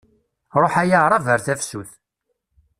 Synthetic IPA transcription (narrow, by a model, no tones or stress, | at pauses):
ɾˤoħæjaɾˤɑvəɾθæfsuθ